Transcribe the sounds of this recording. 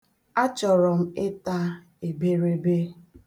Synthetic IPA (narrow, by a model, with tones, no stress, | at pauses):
a˦t͡ʃɔ˨ɾɔ˨m̩˦ɪ˦ta˦ | e˨be˦ɾe˦be˦